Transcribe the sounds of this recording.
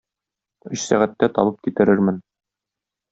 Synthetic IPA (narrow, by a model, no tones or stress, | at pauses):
ɵɕsæ̰ʁæt̪ːæt̪ɒ̰bɤp̚kit̪ɘ̆ɾɘɾmɘn